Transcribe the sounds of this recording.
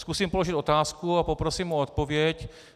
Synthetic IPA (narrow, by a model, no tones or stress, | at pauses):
skusiːmpolo̞ʒɪt̪o̞t̪aːskuapopɾosiːmuot̪̚povjɛc